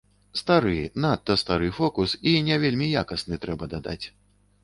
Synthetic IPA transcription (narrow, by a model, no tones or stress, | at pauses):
st̪aɾɨnat̪ːɐst̪aɾɨfɔkusinʲɛvʲelʲmʲija̰kɐsnɨt̪ɾɛbɐd̪ad̪a̰t͡sʲ